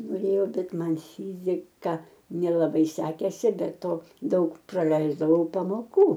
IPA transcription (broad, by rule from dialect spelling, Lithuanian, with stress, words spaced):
noːˈrʲeːjɛʊ ˈbʲɛt ˈmɐn ˈfʲiːzʲɪkɐ nʲɛlˠɐˈbɐɪ ˈsʲæːkʲeːsʲɪ bʲɛ ˈtoː ˈdɐʊk prɐˈlʲɛɪzdɐʋɐʊ pɐmoːˈkuː